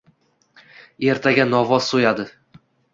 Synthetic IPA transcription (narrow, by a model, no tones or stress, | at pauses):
e̞ɾt̪ʰaɡʲanɒvɒz̥sojad̪ɪ